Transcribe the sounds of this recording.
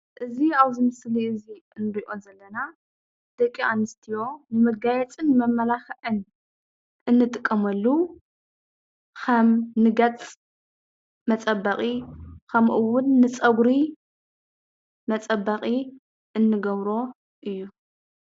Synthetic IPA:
ʔɨziawzɨmɨsliɨziɨnɾiʔonzɐlːɐna | d̪̥ɐkʼːiʔanːɨst̪ʰijo̞nɨmɐɡajɛt͡sʼɨnmɐmːɐlaxɐʕɨn | ʔɨnːɨt̪ʼɨkʼːɐmɐlːu | kʰɐmnɨɡɐt͡sʼ | mɐt͡sʼɐbːɐqʼikʰɐmʔɨwʊnːɨt͡sʼɐɡɾi | mɐt͡sʼɐbːɐqʼi | ʔɨnːɨɡɐβɾo̞ | ʔɨjːu

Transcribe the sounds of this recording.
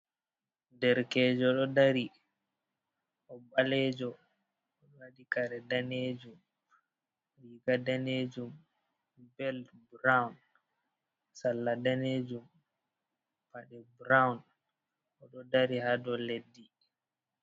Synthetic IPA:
dɛɾkɛːd͡ʒɔɗɔdaɾi | ʔɔbalɛd͡ʒɔ | ɔwaɗikaɾɛdaneːd͡ʒum | ɾiɡadaned͡ʒum | bɛlbɾawn | salːadaned͡ʒum | paɗɛbɾawn | ɔɗɔdaɾihadɔledːi

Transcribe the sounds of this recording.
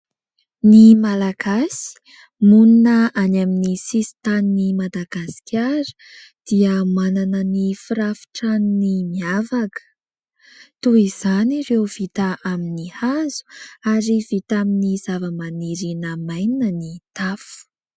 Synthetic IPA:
nimalaɡ̥asi̥ | muninəʔanaminisisi̥t̪aninimad̪aɡasi̥kʲaɾə̥d̪̥iəmananənifiɾafi̥ʈ͡ʂanunimiavakə̥ | t̪uiz̥aniɾewv̥it̪aʔaminihazu̥aɾivit̪aminiz̥avəmaniɾinəmajninənit̪afu̥

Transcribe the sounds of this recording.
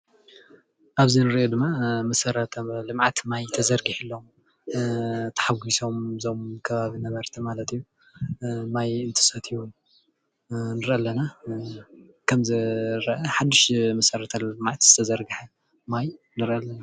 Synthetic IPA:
ʔaβzinɨɾʔod̪ɨmːamɐsɐɾɐt̪ʰlɨmʕat̪majt̪ʰɐzɐɾɡiħɨlːom | t̪ʰɐ̥ħaɡiso̞mzo̞mkʰɐβaβinɐβɐɾt̪ʰimalɐt̪ijːu | majɨnt̪ʰɨ̥sɐt̪ʰiwun | nɨɾʔɐlɐna | kʰɐmzɨɾɐʔɐħad̪ːɨʃmɐsɐɾɐt̪ʰalɨmʕat̪z̥ɨt̪ʰɐzɐɾɡɨħɐ | maj | nɨɾʔɐlːɐna

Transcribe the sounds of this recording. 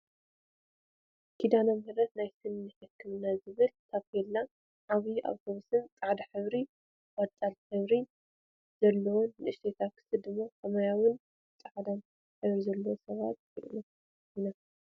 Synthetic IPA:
kʰid̪anamɨhɨɾɐt̪najsɨnːɨħɨkʰːɨmɨnːazɨβɨlt̪ʰaβkɛlːa | ʕaβiʔa̰wt̪ʰoβusɨnt͡sʼaʕd̪aħɨβɾi | wat͡sʼalħɨβɾi | z̥ɐlːɐwonːɨʔɨʃt̪ʰet̪ʰakʰɨ̥sɨd̪ɨmːakʰɐmajawʊn | t͡sʼaʕd̪an | ħɨβɾizɐlːɐwosɐβa̰t̪kɨʔnɐ | ina

